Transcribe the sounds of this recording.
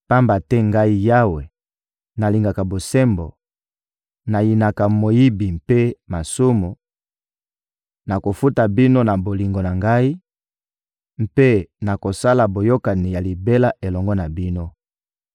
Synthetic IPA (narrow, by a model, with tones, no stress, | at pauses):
pa˦mba˨tɛ˦ŋɡa˦i˦ja˦we˨ | na˨li˨ŋɡa˨ka˨bo˨sɛ˦mbo̰˨ | na˨ji˨na˨ka˨mo˨ji˦bi˨mpe˦ma˨su˦mu˨ | na˨ko˨fu˦ta˨bi˦no˦na˨bo˨li˨ŋɡo˨na˨ŋɡa˦i˦ | m˦pe˦na˨ko˨sa˦la˨bo˨jo˦ka˨ni˨ja˨li˨be˦la˦ʔe˨lɔ˨ŋɡɔ˦na˨bi˦no˦